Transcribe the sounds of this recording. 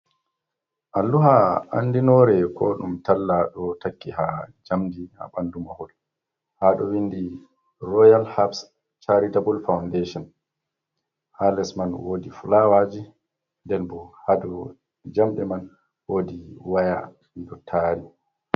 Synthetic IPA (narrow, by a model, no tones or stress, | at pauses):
ʔalːuɦaa̰nːdinɔɾɛkɔɗumtalːaɗɔtakːihad͡ʒamdiha̰ɓandumahɔl | haɗɔwindi | rɔjalhaps | t͡ʃaɾitabulfawndeʃɔn | halɛsmanwoːdifulawad͡ʒi | ndɛlbɔhaɗɔ | d͡ʒamɗɛman | woːdiwaja | iɗɔtʰaːɾi